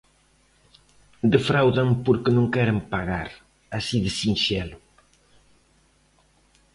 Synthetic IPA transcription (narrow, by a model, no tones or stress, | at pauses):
d̪efɾawðaŋpoɾkɪnõŋkɛɾɪmpaɣaɾ | asiðɪsinʃɛlʊ